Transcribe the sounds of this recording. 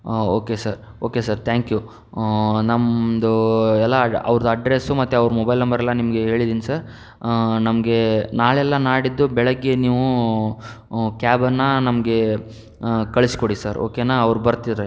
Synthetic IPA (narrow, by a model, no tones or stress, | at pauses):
oːkesɐɾ | oːkesɐɾt̪ʰaːŋkju | nɐmd̪uɛlːɐɐ̰ʋɾɐd̪ɐːɖɾesumɐt̪ːuɐʋɾmɔbɐjlnɐmbɐɾɛlːɐnimɐɡe̞ɦe̞ːɭid̪iːnisɐɾ | nɐmɐɡe̞naːɭɛlːɐnaːɽid̪ːubɛɭɐɡːeniːʋu | kaːbɐnːɐnɐmɐɡe̞ | kɐɭisi̥koɽisɐɾoːkenaːɐʋɾubɐɾt̪id̪ɐɾe